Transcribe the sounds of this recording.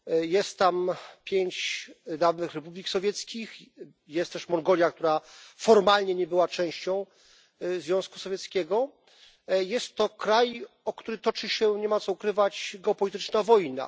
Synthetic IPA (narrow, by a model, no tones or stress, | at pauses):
jɛst̪ːampʲjeɲt͡ɕd̪avnɘxɾɛpublʲiksɔvʲjɛt̪skʲix | jɛst̪ːɛʂmɔŋɡɔlʲjak̚t̪uɾafɔɾmalɲɛɲɛbɘwat͡ʂɛ̃w̃ɕt͡ɕɔ̃w̃ | zvʲjɔ̃w̃sku̥sɔvʲjɛt̪skʲɛɡɔ | jɛst̪ːɔkɾaj | ɔkt̪uɾɘt̪ɔt͡ʂɘɕɛɲɛmat̪sɔukɾɘvat͡ɕɡɛɔpɔlʲit̪ɘt͡ʂnavɔjna̰